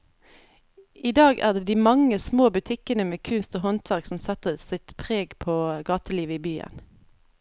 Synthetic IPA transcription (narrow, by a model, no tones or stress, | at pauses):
iːd̪ɑːɡæ̰ːʁd̪eːd̪iːmɑŋəsmoːbʉt̪ʰɪkənəmeːkʰʉnst̪oːɦɔnt̪ʰʋæʁksɔm̩sɛt̪əsɪt̪pʰʁeːɡpʰoːɡɑːt̪əliːʋəiːbyːə̰n